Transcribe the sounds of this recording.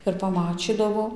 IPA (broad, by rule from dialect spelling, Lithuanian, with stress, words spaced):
ɪr pɐˈmɑːt͡ʃʲiːdɐʋoː